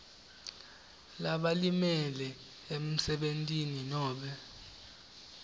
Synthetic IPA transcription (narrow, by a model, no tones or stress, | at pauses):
laɓalimɛlɛ | em̩sɛɓentʼininɔːɓɛ